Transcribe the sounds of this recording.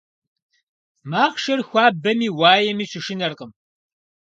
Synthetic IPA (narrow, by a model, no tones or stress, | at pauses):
maːχʃɐrxʷaːbɐmiːwaːjɛmiːɕɨʃɪnɐrqəm